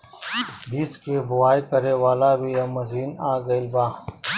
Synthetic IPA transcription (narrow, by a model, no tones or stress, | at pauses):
bʱiːskeːbʊwaːjkɐɾeːwaːlaːbʱiːjɐmɐziːnaːɡɐilbãː